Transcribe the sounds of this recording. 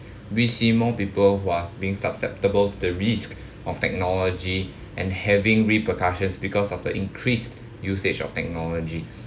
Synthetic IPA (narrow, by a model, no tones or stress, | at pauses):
wisimɔ̃pipəlɦuasbiĩŋsapsɛp̚təbəltudəɹisk | ʔɔftɛk̚nɔlɔd͡ʒi | ʔɛ̰̃nhɛvɪ̃ŋɹipəkaʃə̃nsbikɔsɔfdəʔḭ̃ŋkʰɹist | jused͡ʒɔ̰ftɛk̚nɔlɔd͡ʒi